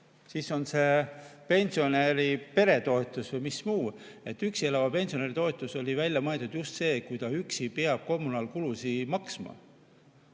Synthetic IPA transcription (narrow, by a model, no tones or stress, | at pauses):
siːso̞nse̞pe̞nʲsio̞neɾipe̞ɾe̞t̪o̞et̪ːˑusvɤjmismuː | e̞t̪ːyksielɑvɑpe̞nsio̞neɾit̪o̞et̪ˑuso̞lʲivælʲːjɑmɤeld̪ud̪̥just̪se̞ːkujt̪ɑyksipeɑb̥̚ko̞mːunɑlkulusimɑksmɑ̰